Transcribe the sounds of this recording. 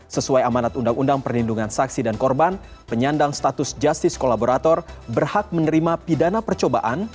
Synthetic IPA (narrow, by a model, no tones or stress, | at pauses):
səsuajamanat̪undaŋundaŋpərlinduŋansaksidankɔrban | pəɲandaŋst̪at̪ʊsd͡ʒast̪ɪskolaboɾat̪ɔrbərhak̚mənəɾimapidanapərt͡ʃobaʔan